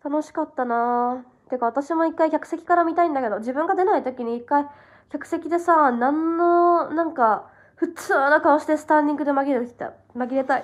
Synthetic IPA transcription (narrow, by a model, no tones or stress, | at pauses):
t̪ano̞ɕi̥kat̪ːanat̪ekaβat̪aɕimo̞ikːaikʲakɯ̟se̞kʲi̥kaɾamʲit̪aĩnd̪ake̞d̪o̞d͡ʑibɯ̟̃ŋɡad̪e̞nait̪o̞kʲiɲ̟iːkːai | kʲakɯ̟se̞kʲid̪e̞sanãnːo̞nãŋka | ɸɯ̟t͡sɨːno̞kanoɕid̪e̞sɨ̥t̪ãɲʲːĩŋɡɯ̟d̪e̞maɡʲiɾei̥t̪a̰ | maɡʲiɾe̞t̪ai